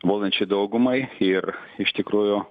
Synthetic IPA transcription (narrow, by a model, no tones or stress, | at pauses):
ʋoːlˠʲɐnʲt͡ʃʲʊɪd̪ɐʊɡʊmɐɪɪrɪʃt̪ʲɪkɾuːjʊ